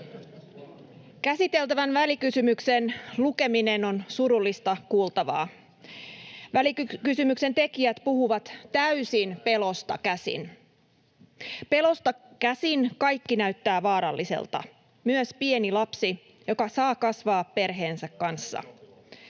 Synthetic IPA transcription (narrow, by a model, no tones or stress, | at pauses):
kæsit̪e̞lt̪æʋænʋælikysymyksenluke̞mine̞no̞nsuɾulːist̪ɑkuːlt̪ɑʋɑ̰ː | ʋælikkysymykse̞nt̪e̞kiæt̪puɦuʋɑt̪t̪æysinpe̞lo̞st̪ɑ̰kæsḭn | pe̞lo̞st̪ɑkæsinkɑjkːinæɥt̪ːæːʋɑːɾɑ̰lːisḛlt̪ɑ̰ | myøspienilɑpsi | jo̞kɑsɑːkɑsʋɑːppe̞rɦe̞ːnsækːɑnsːɑ̰